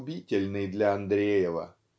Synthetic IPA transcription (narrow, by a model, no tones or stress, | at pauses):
bʲitʲɪlʲnɨjd̪lʲɐɐnd̪ɾʲejɪvə̰